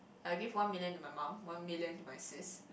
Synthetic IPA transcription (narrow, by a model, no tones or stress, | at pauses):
alɡivwãnmiljə̃numajmãmwãnmiljə̃ntumasis